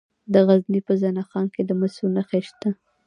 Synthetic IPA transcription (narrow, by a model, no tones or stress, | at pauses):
d̪əɣaznipəzanɑxɑnked̪əmasunaxeʃt̪a